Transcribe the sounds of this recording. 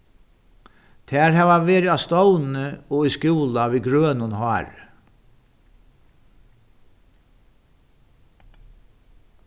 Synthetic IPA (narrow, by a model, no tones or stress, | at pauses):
t̪ʰɛːɾɦɛːvaveːɾɪast̪ɔwnɪɔiskjuːlaviɡɾøːnʊnhɑːɾ